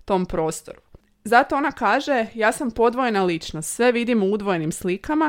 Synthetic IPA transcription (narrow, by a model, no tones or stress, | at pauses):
t̪o̞mpɾo̞ːst̪o̞̰ɾu | zat̪o̞onakaːʒe̞jaːsampo̞d̪ʋoje̞nalit͡ʃnost̪sʋe̞ʋid̪imuud̪ʋoje̞nimslikama